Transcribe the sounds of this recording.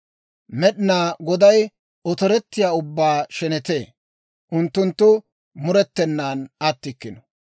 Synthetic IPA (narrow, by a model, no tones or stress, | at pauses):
mɛɗɪnaːɡɔd̪ɐj | ɔt̪ɔɾɛt̪ːɪjaːʊbːaːʃɛnɛt̪e̞ː | ʔʊnt̪ːʊnt̪ːʊ | mʊɾɛt̪ːɛnːaːnɐt̪ːɪkːɪnɔ̥